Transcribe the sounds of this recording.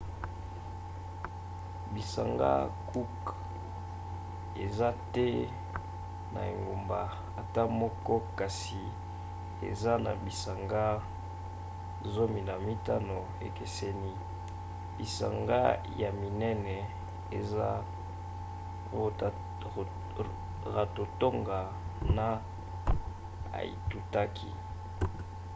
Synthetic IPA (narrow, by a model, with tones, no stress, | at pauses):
bi˨sa˨ŋɡa̰˦ku˦k | ḛ˨za˦tɛ˦ | na̰˨ḛ˨ŋɡo˨mba˨ | a˨ta˦mɔ˦kɔ˦ka˨si˨ | ḛ˨za˦na̰˨bi˨sa˨ŋɡa˦ | zo˦mi˨na˨mi˦ta˦no˨ | ḛ˨ke˨se˦ni˦ | bḭ˨sa̰˨ŋɡa̰˦ | ja˨mi˨nɛ˦nɛ˨ | e˨za˦ | o˨ | ʁa˨to˨to˦ŋɡa˨ | na˦ | a̰˨ḭ˨tu˨ta˦kʰi˦